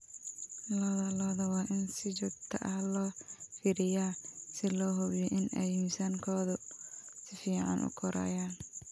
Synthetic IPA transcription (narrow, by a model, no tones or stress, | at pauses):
lɔːðɐlɔːðɐwɑːʔɪnsɪt͡ʃʊɾt̪ʰɐʔɐhlɔːfiːɾɪjaːsɪlɔːɦɔβjɔʔɪnɛjinsɐŋkʰɔːðʊsɪfiːʕɑ̰nʔʊ̰kʰɔɾʔa̰ːjaːn